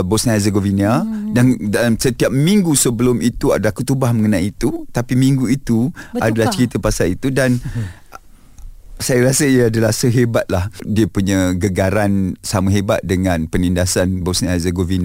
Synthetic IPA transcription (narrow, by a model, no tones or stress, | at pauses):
bosniɛzəɡovinadandasət̪iap̚miŋɡusəbəlʊmʔit̪ua̰dalakut̪ubahməŋənajiːt̪ut̪apimiŋɡuit̪uadalaht͡ʃəɾit̪əpasalit̪udan | sajaɾasəijaadalahsəɦebat̪̚lahdiəpuɲaɡəɡaɾansamuɦeba̰t̪̚dəŋãnpənindasanbosnihɛzəɡovina